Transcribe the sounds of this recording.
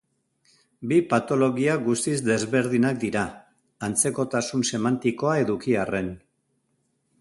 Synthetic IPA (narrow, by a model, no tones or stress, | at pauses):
bipat̪o̞lo̞ɣiaɡust̪izd̪e̞zβe̞ɾð̞inak̚d̪iɾaː | nt͡se̞ko̞t̪asunse̞mant̪iko̞ae̞ðukiare̞n